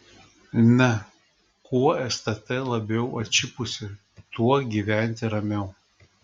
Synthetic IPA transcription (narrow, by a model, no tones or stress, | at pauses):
nʲɛ | kuɔɛst̪ɐt̪ʲɛlˠɐbʲɛʊʔɐt͡ʃʲɪpʊsʲɪ | t̪uɔɡʲiʋʲæˑnʲˑt̪ʲɪɾɐmʲɛʊ